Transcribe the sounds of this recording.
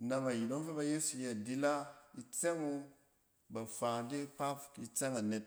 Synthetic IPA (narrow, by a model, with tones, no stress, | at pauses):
na˧ma˨ji˨do˦ŋ˦fe˦ba˧je˦su˨je˦a˨di˦la˦i˧t͡se˦ŋu˧ | ba˨fa˨ŋ˨de˦k͡pa˦pi˧t͡se˦ŋa˨ne˨t̚